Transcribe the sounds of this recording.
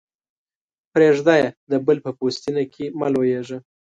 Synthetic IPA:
pɾeʐd̪ajad̪əbəlpəpost̪inakʰimalwojeʒə

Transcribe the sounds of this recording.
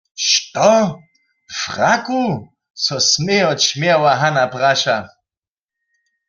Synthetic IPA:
ʃt̪ʼɔ | fʁakʼu | sɔsmeɔt͡ʃʰmjɛawaɦanapraʃa

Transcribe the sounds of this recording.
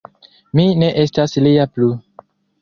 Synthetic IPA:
mine̞ʔe̞staslijaplu

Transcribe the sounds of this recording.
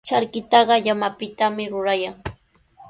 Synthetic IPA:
t͡ʃaɾkɪt̪ɑɢɑʎamapɪt̪amɪɾʊɾajaŋ

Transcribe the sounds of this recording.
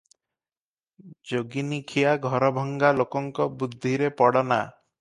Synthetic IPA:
d͡ʒoɡinikʰiaɡʱɔɾɔbʱɔŋɡalokɔŋkɔbud̪ʱːiɾepɔɽɔna

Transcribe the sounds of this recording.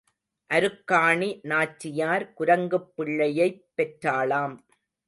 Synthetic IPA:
ʔɐɾɯkːaːɳinaːt͡ʃːɪjaːɾkʊɾɐŋɡɯpːɪɭːɐjɐɪpːɛʈɾaːɭaːm

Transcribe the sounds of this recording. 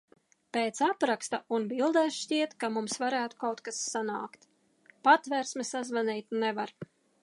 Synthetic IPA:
peːt̪sapɾakst̪aunbilˠd̪ɛsʃʲiɛt̪kamumsvaɾæːt̪u̥kawt̪kasːana̰ːkt̪ | pat̪vɛɾsmʲɛsazvaniːt̪nɛvaɾ

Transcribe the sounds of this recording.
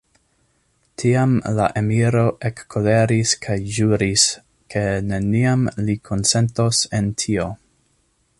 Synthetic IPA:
tʰiamla̰ʔemiɾo̞ʔekːole̞ɾiskʰajʒuɾis | kʰe̞ne̞niamlikʰo̞nse̞nto̞se̞ntʰio̞

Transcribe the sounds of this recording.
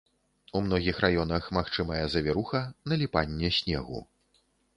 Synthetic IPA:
umn̪ɔɣʲixrʔajɔn̪ɐxmaxt͡ʂɨmɐjɛzɐvʲɛɾuxɐnɐlʲipanʲːɛsʲnʲɛ̰ɣṵ

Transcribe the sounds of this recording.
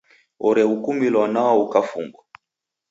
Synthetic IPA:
ɔɾɛukumilwanaɔukafṵŋɡwa

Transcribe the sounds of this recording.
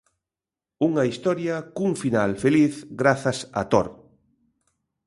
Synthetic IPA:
uŋɐist̪ɔɾjakuŋfinalfeliθɡɾaθasa̰t̪o̰ɾ

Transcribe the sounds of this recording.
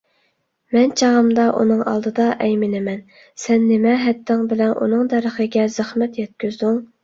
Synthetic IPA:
mɛnt͡ʃʰɑʁəmd̪ɑʔṵnɨŋʔɑ̰lˠd̪ɨd̪ɑʔɛjmɪnɪmɛn | sɛnːɪmɛɦɛt̪ʰːɪŋbɪlɛnʔṵnɨŋd̪æɾəχəɡʲɛzɪχmɛt̪jɛt̪̚kʲyzd̪yŋ

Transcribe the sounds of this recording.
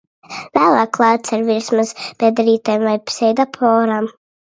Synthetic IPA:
væːlˠaːkːlˠaːt̪saɾviɾsmazb̥ʲɛd̪ɛɾiːt̪ajmvajpsɛjd̪apʰɔːɾaːm

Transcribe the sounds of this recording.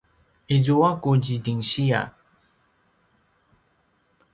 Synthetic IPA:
ed͡ʒowakod͡ʒidiŋʃija̰

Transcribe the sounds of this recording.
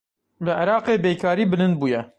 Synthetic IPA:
lɨʕɪɾɑːqeːbeːkʰɑːɾiːbɨlɨnd̪̚buːjɛ

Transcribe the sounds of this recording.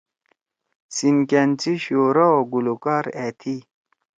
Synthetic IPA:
sinkent͡siɕoːɾaoɡulukaːɾet̪ʰi

